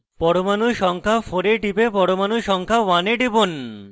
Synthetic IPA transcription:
pɔɽomanuʃɔŋkʰafoɾeʈibepɔɽomanuʃɔŋkʰawaneʈibon

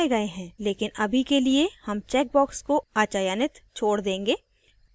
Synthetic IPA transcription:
eɡɐeɦɛ̃ːleːkɪnɐbʱikeliehɐmt͡ʃɛːk̚bɔːkskoaːt͡ʃaːjaːnɪt̪t͡ʃʰoːɽd̪ẽːŋɡeː

